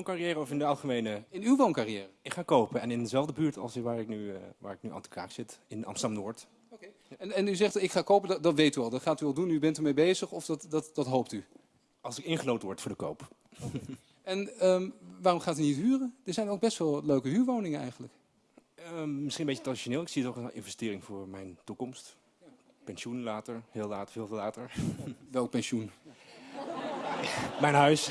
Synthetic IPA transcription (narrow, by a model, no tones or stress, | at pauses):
onkariɛːɾəɔfɪndəɑlˠχəmejnəɪnywʋownkarijɛːrəɪkχaːkowpənɛnɪndəzɛlˠvdəbyːɹtɑ̰lˠsʋaːɹɪknyʋa̰ːɹɪknyʔa̰ntə̥kʰa̰ːksɪtɪna̰msɑmnoːɹt | oke | ɛnɛnyzɛχtɪkχaːkowpəddɑtʋejtyɑlˠdɑtχaːtyɑlˠdunybɛntəɹmejbejzəχɔfdɑtdɑtdɑtɦowp̚ty | ɑlˠsɪkɪnχənowtənʋɔɹtfʊːɹdəko̰wp | ɛnəʋaːrɔmχaːtynitɦyːrəd̥əɹzɛjnolɡ̚bɛstʋɛlˠløɥkəɦyːɹʋownɪŋənɛ̰jχənlək | əmɪsχinəmbejətradiʃoneːlˠɪksiətɔχənɪ̰nvɛstɪːɾɪŋvʊːɹmɛjntukɔmst | pɛnʃunlaːtəɹhɪːlˠlaːtvɪːlˠvlaːtəɹʋɛlˠk̚pɛnʃun | mɛjnɦœɥs